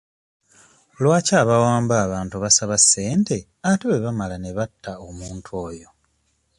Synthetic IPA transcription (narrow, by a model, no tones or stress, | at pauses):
lwaːcaːβawaːmbaːβaːntuβasaβasːe̞ːnte̞ | ateweβamalane̞βatːaomuːntʰwo̞ːjo̞